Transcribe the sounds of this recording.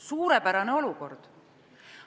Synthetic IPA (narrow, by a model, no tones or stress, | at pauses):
suːɾepæɾɑneo̞luko̞rd̪̥